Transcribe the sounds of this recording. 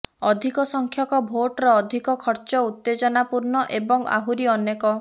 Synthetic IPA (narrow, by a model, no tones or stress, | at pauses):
ɔd̪ʱikɔsɔŋkʰjɔkɔbʱoʈɾɔːd̪ʱikɔkʰɔɾt͡ʃɔut̪ːed͡ʒɔnapuɾnɔʔebɔŋa̰ɦuɾiɔnjekɔ